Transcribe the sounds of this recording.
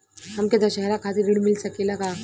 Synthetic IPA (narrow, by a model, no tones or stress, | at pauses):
ɦɐmket̪aʃɐɦɾakʰaːt̪iɾiɽmɪlsɐkelaka